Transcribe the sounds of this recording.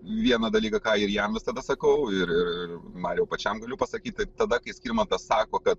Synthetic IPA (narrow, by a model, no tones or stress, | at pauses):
ʋʲiɛnɐd̪ɐlʲiːkɐkɑːɪɾjɛmʋʲɪst̪ɐd̪ɐsɐkɐʊɪɾɪrɪrmɑːnjɛʊpɐt͡ʃʲɛmɡɐlʲʊpɐsɐkʲiːt̪̚ʲt̪ɐɪt̪ɐd̪ɐkɐɪsʲkʲiːɾmɐnt̪ɐssɑːkoːkɐt̪̚